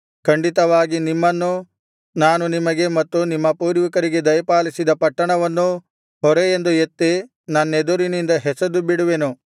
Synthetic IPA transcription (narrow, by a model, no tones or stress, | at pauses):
kɐɳɖit̪ɐʋaːɡinimːɐnːu | naːnunimɐɡe̞mɐt̪ːunimːɐpuːɾʋikɐɾiɡe̞d̪ɐjɐpaːlisid̪ɐpɐʈːɐɳɐʋɐnːu | ɦɔɾejend̪ujet̪ːe | nɐnːed̪uɾinind̪ɐɦɛsɐd̪ubiɽuʋenu